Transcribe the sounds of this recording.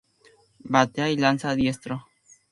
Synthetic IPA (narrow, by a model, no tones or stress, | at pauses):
bat̪eailansaðjest̪ɾo